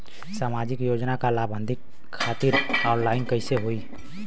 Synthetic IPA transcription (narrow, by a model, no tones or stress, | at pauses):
saːmad͡ʒɪkjoːd͡ʒnakalaːbʱə̃nd̪ʱikʰː | aːt̪iɾɔːɾlaːɪnkəɪseɦoi